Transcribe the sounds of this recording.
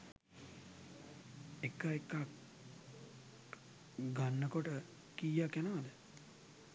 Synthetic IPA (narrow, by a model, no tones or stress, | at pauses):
ekːaekːak | ɡanːəkoʈə | kijakːjanəʋad̪ə